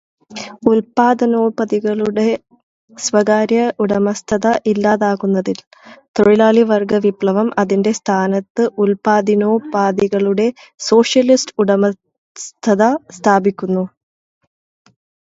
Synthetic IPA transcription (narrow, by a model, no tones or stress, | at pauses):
ulpaːd̪ɐno̞ːpɐðiɣɐɭuɽe̞ | sʋɐɣaːɾjɐʔuɽɐmɐst̪ʰɐðɐʔilːaːðaːɣunːɐðil | t̪oɻilaːɭiʋɐrɡɐʋipɭɐʋɐmʔɐðinde̞st̪ʰaːnɐt̪ːɨʔulpaːd̪ino̞ːpaːd̪iɣɐɭuɽe̞ | so̞ːʂjɐlisʈuɽɐmɐ | st̪ʰɐðɐst̪ʰaːbikʲːunːu